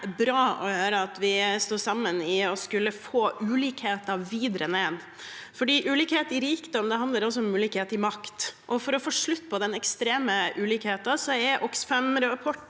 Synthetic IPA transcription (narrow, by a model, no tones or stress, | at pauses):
bɾɑːɔhøːɾəɑt̪ʋɪst̪uːsɑmːənɪɔskʉlːəfoːʔʉːliːkheːt̪ɑʋiːd̪ɾəneːd̪ | fɔɖiːʔʉːliːkheːt̪ɪɾiːkd̪ɔmd̪ɛɦɑnd̪ləɾɔs̬ːɔɔmʉːlɪːkheːt̪ɪmɑkt̪ʔɔfɔɾɔfoːʂɭʉt̪ːpʰɔd̪ɛnɛkst̪ɾeːməʔʉːliːkheːt̪ɑsɔɛɾʔɔksfɛmɾpʰɔʈː